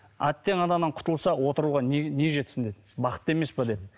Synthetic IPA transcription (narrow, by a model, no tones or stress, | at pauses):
æ̰t̪ːe̞ŋɑnɑnɑɴqʰʊ̥t̪əlˠsɑwo̞t̪əɾuʁɑnne̞ʒe̞t̪sɪnd̪ed̪bɑqə̥t̪ːe̞me̞sbɑd̪e̞d̪ɪ